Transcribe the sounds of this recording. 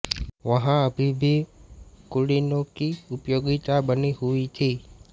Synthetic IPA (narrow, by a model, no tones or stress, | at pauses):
ʋəɦãəbʱibʱikʊɽinõkiʊpjoɡit̪abəniɦuit̪ʰi